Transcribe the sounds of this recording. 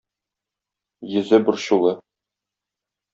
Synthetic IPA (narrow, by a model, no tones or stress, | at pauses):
jɘ̆zɘbɘɾɕulˠɤ